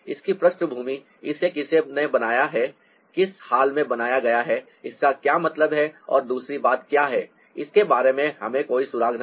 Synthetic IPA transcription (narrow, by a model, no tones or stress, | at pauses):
ɪskipɾɐʃʈəbʱuːmi | ɪsekɪsenebɐnaːjaɦɛ | kɪshaːlmẽbɐnaːjaɡɐjaɦɛ | ɪskakjaːmɐt̪ləbɦɛɔ̰ːɾd̪uːsɾibaːt̪kjaːɦɛː | ɪskebaːɾemẽɦɐmẽkoːisʊɾaːɡnɐ